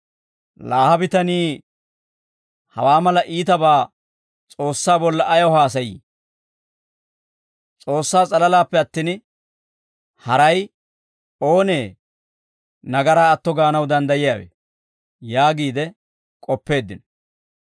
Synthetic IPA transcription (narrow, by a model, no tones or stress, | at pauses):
laːhɐbɪt̪ɐniː | hɐ̰waːmɐlɐʔiːt̪ɐbaː | t͡sʼo̞ːsːaːbɔlːɐʔɐjɔɦaːs̬ɐjḭː | t͡sʼo̞ːsːaːt͡sʼɐlɐlaːpːɛɐt̪ːiːn | hɐɾɐj | o̞ːneː | nɐɡɐɾaːɐt̪ːɔɡaːnɐwd̪ɐnd̪ɐjɪjaːwḛː | jaːɡiːd̪ɛ | kʼɔpːe̞ːd̪ːɪnɔ